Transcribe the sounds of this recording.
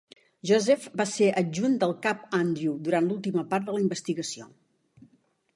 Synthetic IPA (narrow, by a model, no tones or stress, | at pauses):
ʒozɛfbaseʔəʒund̪əlˠkapand̪ɾjud̪uɾant̪lulˠt̪iməpat̪̚d̪ələimbəst̪iɣəsio̰